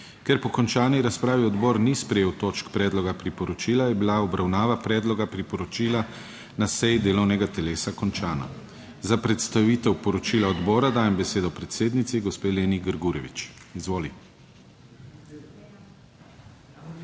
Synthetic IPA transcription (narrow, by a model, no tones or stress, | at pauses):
kɛɾpɔkɔnt͡ʃaːniɾaspɾaːʋiɔd̪bɔːɾnispɾɛjeːwt̪oːt͡ʃkpɾɛːd̪lɔɡapɾipɔɾɔt͡ʃiːlajɛbilaɔbɾawnaːʋapɾɛːd̪lɔɡapɾipɔɾɔt͡ʃiːla | nasɛjd̪eːlɔwnɛɡat̪ɛleːsakɔnt͡ʃaːna̰ | zapɾɛt̪st̪aʋiːt̪ɛwpɔɾɔt͡ʃiːlaɔd̪bɔːɾad̪aːjɛmbɛseːd̪ɔpɾɛt̪seːd̪nit̪siɡɔspeːleːniɡəɾɡuɾɛʋit͡ʃizʋoːli